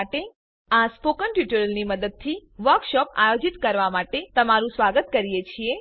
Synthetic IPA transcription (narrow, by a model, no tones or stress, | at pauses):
aʈe | aspokəɳʈjuʈəɾəlniməd̪əd̪̚t̪ʰiʋəɾkʃɔpa̰jod͡ʒit̪kəɾʋamaʈet̪əmaɾũsʋaɡət̪kəɾijet͡ʃʰie